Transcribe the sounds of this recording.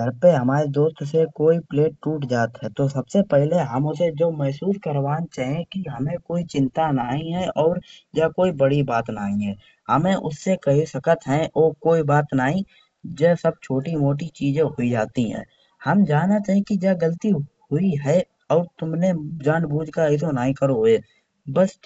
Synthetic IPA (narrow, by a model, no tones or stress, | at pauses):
d̪ʱəɾpeɦɐmaːɾed̪oːst̪sekoːipleːʈ̚ːuːʈd͡ʒaːt̪ɦɛt̪osɐbsepɛɦleɦɐmʊsed͡ʒomɛɦsuːskəɾʋaːnt͡ʃaːɦẽkiɦɐmẽkoːit͡ʃɪ̃nt̪anaːɦĩɦɛɔːɾd͡ʒaːkoːibəɽibaːt̪naːɦĩɦɛː | hɐmẽʔʊsːekɐɦisəkət̪ɦɛ̃ʔoːkoːibaːt̪naːɦĩ | d͡ʒɛsəb̚t͡ʃʰoːʈimoːʈ̬it͡ʃiːd͡ʒẽɦoid͡ʒaːt̪iɦɛ̰̃ː | hɐmd͡ʒaːnːat͡ʃaːɦẽkid͡ʒaːɡəlt̪ihʊiɦɛ | ɔːɾt̪ʊmned͡ʒãːɳbuːd͡ʒʱkais̬onaːɦĩkəɾoeː | bəs